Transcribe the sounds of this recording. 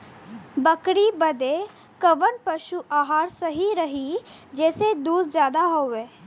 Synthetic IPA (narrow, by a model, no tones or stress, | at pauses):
bəkɾibəd̪e | kəʋənpəʃuʔaːɦaːɾsəɦiɾəɦid͡ʒɛːsed̪uːd̪zjaːd̪aɦoeː